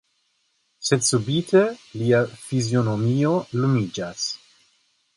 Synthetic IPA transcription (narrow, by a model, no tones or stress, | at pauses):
sedsubitʰeliafizjonomio̞lumid͡ʒas